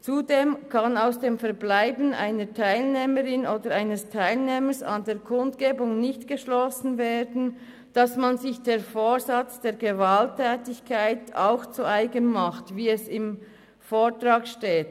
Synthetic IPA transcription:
t͡sudeːmkʰɑnaʊsd̥eːmfɛɐɾblaɪbən̩ʔa̰ɪnətʰaɪlneːməʁɪnoːdəɾaɪnəstʰaɪlneːməsa̰ndeːɹkʰʊntɡ̥eːbʊŋnɪçtɡ̥əʃlɔsn̩veːdn̩ | d̥ɑsmanzɪçd̥eːɐfoːɹzɑt͡sd̥eːɡəvaltʰːɛːtɪçkʰaɪtʰa̰ʊxt͡suaɪɡənmaχtviːɛsɪm | foːtɾɑːkʃteːt

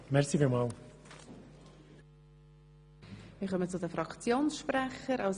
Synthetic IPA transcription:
mɛʁsifimɑːl | mɪːχœmət͡sʊdəfɾɑkt͡sjoːnsʃpɾæχəɾaʊs

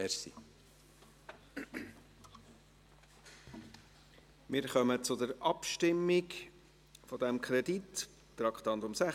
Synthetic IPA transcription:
ɛɾsḭ | mɪːɾχœmət͡sʊdəɾɑpʃtɪmːɪɡ | fɔd̪ɛmkʰɾɛdit̪ | tɾɑkχt̪ɑnd̪ʊmsæ

